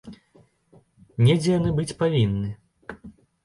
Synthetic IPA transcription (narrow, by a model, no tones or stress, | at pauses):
nʲɛd͡zʲɛjanɨbɨt͡sʲpavʲinːɨ